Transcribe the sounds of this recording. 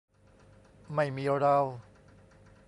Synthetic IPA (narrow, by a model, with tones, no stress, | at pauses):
ma˥˩jmiː˧ɔ˧ɾa˧w